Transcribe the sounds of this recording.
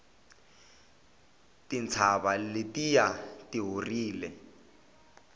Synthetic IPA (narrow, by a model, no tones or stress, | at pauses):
tint͡sʰaβalɪtijatiɦoriːlɛ